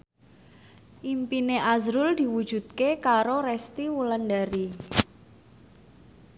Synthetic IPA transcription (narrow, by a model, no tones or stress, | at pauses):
ʔimpineʔazɾʊld̪̥i̤wud̥ʒ̥ṳd̪̚kekaɾoɾɛst̪iwuləndaɾi